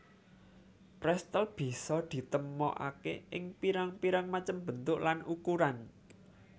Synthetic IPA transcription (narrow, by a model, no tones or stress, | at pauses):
pɾɛst̪əlb̥i̤sɔd̪̥i̤t̪əmɔ̰ʔa̰keʔɪŋpiɾaŋpiɾaŋmat͡ʃəmb̥ə̤nt̪ʊʔlanukuɾan